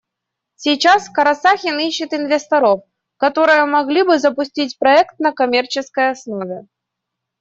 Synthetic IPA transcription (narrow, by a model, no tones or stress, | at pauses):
sʲijt͡ʃaskɐɾɐsaxʲiniɕːɨt̪invʲɛst̪ɐɾɔf | kat̪ɔɾɨjɐmaɣlʲibɨzɐpʊsʲt͡sʲit͡sʲpɾɐɛkt̪̚nɐkamʲɛrt͡ʃɨskɐjasnɔvʲɛ